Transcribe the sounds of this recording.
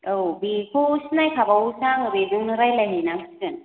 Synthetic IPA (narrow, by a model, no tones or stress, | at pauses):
ɯwbikʰosnajkʰabawsaŋɾezɯŋnɯɾajlajɦenamɯsɯn